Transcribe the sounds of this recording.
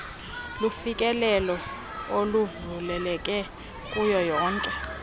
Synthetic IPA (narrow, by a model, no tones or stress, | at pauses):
lufikʼɛlɛlɔ | oluvulɛlɛkʼɛ | kʼujɔjɔːŋkʼɛ